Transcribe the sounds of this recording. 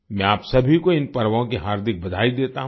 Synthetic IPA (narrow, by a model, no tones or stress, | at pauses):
mɛ̃aːpsɐbʱikoɪnpɐɾʋõkiɦaːɾd̪ɪk̚bɐd̪ʱaːid̪eːt̪aɦ